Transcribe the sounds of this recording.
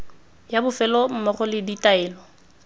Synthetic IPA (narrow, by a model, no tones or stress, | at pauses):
jabʊfɛlɔm̩mɔχɔlɪditaɛːlɔ